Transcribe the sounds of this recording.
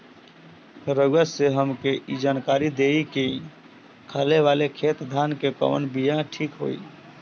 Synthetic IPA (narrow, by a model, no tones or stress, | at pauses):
ɾəɡəseɦəmkeʔid͡ʒankaɾid̪eike | kʰaleʋalekʰet̪d̪ʱankepə̰ʋə̰nbijãʈʰikɦo̰i